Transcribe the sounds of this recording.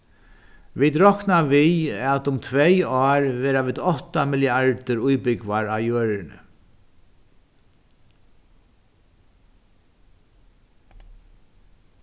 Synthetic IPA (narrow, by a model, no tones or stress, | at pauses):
ʋit̪ɾɔhknaʋiɛt̪ʊmt̪ʰvɛjɔːɹʋɛːɾaʋiðɔht̪amɪljəaɹt̪ɪɾʊjpɪkʋaɹawjœːɹɪnə̰